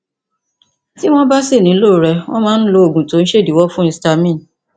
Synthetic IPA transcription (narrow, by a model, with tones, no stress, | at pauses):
ti˦w̃ɔ̃˦ba˦si˦˨nĩ˨˦lo˦˨ɾɛ˧w̃ɔ̃˦mãː˦ñ̩˦lo˧o˨ɡũ˨to˨˦n̩˦ʃe˦˨di˨˦wɔ˦fũ˦ĩ˧sta˧mĩ˦˨n˨